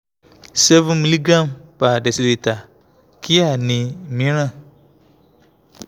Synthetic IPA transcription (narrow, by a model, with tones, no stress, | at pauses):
sɛ˦vu˦mi˨li˦ɡa˦˨mpa˨dɛ˨si˨le˨ta˨ | ki˦a˦˨nɪ̃˨mĩ˦ɾa˦˨